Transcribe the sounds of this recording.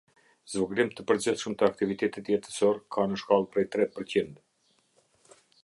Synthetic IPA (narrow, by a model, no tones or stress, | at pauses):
zvɔɡɾimt̪əpəɾd͡ʑiθʃəmt̪əak̚t̪ivit̪ɛt̪it̪jɛt̪ə̥sɔɾkʰanəʃkalˠpɾɛjt̪ɾɛt̪̚pəɾt͡ɕind̪